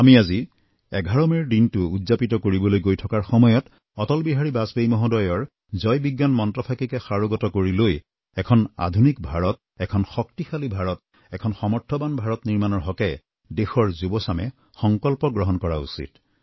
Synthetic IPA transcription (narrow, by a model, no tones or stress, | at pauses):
amiazi | ɛɡʱaɹɔmɛɹdintʊudzapitɔkoɹibɔlojɡojtʰɔkaɹxɔmɔjɔt | ɔtɔlbiɦaɹibasbejmɔɦɔdɔjɔɹ | zɔjbiɡːanmɔntɹɔpʰakikɛxaɹoɡɔtɔkoɹiloj | ɛkʰɔna̰dʱunik̚bʱaɹɔt | ɛkʰɔnxɔktixalibʱaɹɔt̚ | ɛkʰɔnxɔmɔɹtʰːɔbanbʱaɹɔtniɹmanɔɹɦɔkɛ | dexɔɹzubɔsamɛ̰ | xɔŋkɔlpɔɡɹɔɦɔnkɔɹaṵsḭt